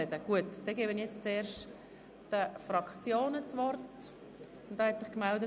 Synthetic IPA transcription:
ɛdəɡ̥uətd̥ɛɡɛːbənjɛt͡st͡seːɾʃt | d̥əfrɑkt͡sjoːnət͡svɔrt | ʊntd̥ɑːhɛtsɪχkmɛldə

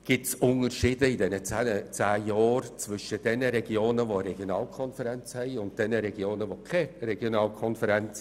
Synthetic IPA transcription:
ɡ̥ɪtsʊnərʃiːdəidɛnət͡sːət͡sæːjɔːrt͡svʏʃəd̥ɛnəɾɛɡ̥ioːnəvoəɾɛɡ̥jonɑːlkʰɔnfɛɾɛnt͡shɛɪʊnt̚d̥ɛnəɾɛɡ̥joːnəvokʰɛrɛɡ̥jonɑːlkʰɔnfəɾɛnt͡s

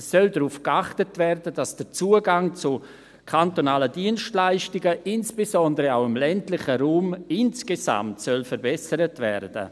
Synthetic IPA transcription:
sːœldɾuːfkaχtətvɛrdəd̥asd̥ət͡suːəɡaŋt͡su | kʰantonaːlədiənʃtlaɪʃtɪɡəʔɪnsb̥ezɔndəɾəaʊɪmlɛntlɪχəɾuːmɪnskeza̰mtsœlfəɾbɛsəɾətvɛɾd̥ə̰

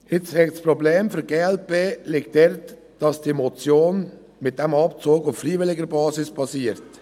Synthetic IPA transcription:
ɪt͡shɛkspɾobleːmfyɡeːɛlpeːlɪktdɛɾt | d̥ɑsd̥iemot͡sjoːn | mɪt̚d̥ɛmɑpt͡soːkʊffriːʋɪlɪɡəɾbɑːsɪspʰɑsiːəɾt

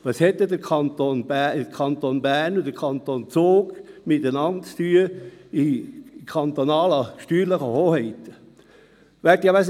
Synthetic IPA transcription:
ʋɑshɛt̪ːəd̪əkʰɑnt̪onbəkʰɑnt̪onbænʊd̥̪əɾkʰɑnt̪ont͡soːɡmɪt̪ənɑntt͡st̪yəɪkʰɑnt̪onɑːlɑʃtyːɾləχəhoːhɛɪt̪ | ʋæːɾtjɑʋæs

